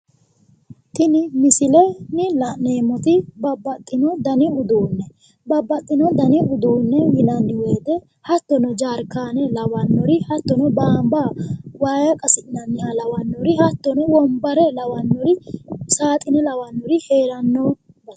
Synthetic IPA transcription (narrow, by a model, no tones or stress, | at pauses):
t̪ɪnɪmɪsɪlɛnɪlɐneːmɔt̪ɪbɐbːɐt̪ʼːɪnɔd̪ɐnɪʊd̪uːnːɛ | bɐbːɐt̪ʼːɪnɔd̪ɐnɪʊd̪uːnːɛwɪlɐnːɪweːd̪ɛ | hɐt̪ːɔnɔd͡ʒaːɾkːaːnɛlɐwɐnːɔɾɪhɐt̪ːɔnɔbaːmbawaːjɐkʼɐsɪnɐnːɪalɐwɐnːɔɾɪhɐt̪ːɔnɔwɔmbɐɾɛlɐwɐnːɔɾɪsaːt̪ʼɪnɛlɐwɐnːɔɾɪheːɾɐnːɔ | bɐ